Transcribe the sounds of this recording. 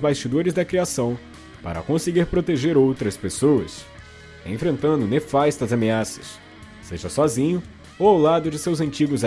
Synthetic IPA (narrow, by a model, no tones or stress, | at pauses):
zbast͡ʃid̪oɾɪzd̪ɐkɾiasɐ̃w̃ | pa̰ɾɐ̰kõseɡiɾpɾot̪eʒeɾowt̪ɾɐspesoɐs | ḛ̃fɾẽnt̪ɐ̃nd̪ʊnefast̪ɐzɐmeasɐ̥sː | eʒɐsɔzĩɲʊ | owawlad̪ʊd͡ʒɪsewzɐ̃nt͡ʃiɡʊz